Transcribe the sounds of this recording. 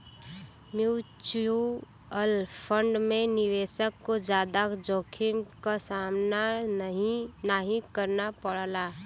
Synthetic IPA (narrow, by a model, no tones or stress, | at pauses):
mjut͡ʃu | əlpʰəɳɖmeniʋesəkːod͡ʒad̪akd͡ʒokʰimkasamnaɦinaɦĩkəɾnapəɽla